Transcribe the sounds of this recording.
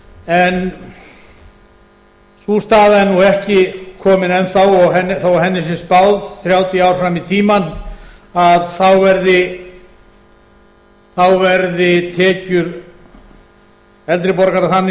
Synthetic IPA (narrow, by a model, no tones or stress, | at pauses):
ɛn | sust̪aːðaɛɾnuɛhcɪkʰɔːmɪnɛnθawɔɣɦɛnθawɦɛnːɪs̬ɪnspawðθɾjaːwt̪jiaːwɾ̥fɾamit̪ʰiːman | aðθawvɛɾðɪ | θawvɛɾðɪt̪ʰɛːcʏɾ | ɛlt̪ɾɪpɔɾkaɾaθanːɪ